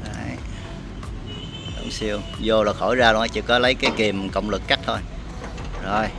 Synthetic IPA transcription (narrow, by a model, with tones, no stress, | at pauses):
ʔa˨˦j | ɗə̰˨˧˦wŋ͡msi˧əw | zo˧lɔː˨˩xo˧˩jzaː˧ɗa˨˦t͡ɕɨ̰˧˩kɔ˨˦lə˨˦jkaː˨˦jki˨˩mkə̰˧˨wŋ͡mlɨ˨˩kːa˦˥k̟̚t̪ʰo˧j | zo˨˩j